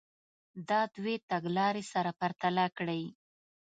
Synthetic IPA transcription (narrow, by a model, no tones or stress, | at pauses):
d̪ɑd̪wet̪aɡlɑɾesaɾapaɾt̪alakɽəj